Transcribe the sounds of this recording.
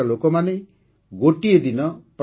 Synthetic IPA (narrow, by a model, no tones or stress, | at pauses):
alokɔmane | ɡoʈied̪inɔp